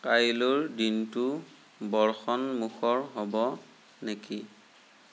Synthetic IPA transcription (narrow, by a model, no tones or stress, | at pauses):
kajiluɹdintu | bɔɹxɔnmuxʰɔɹɦɔbɔ | neki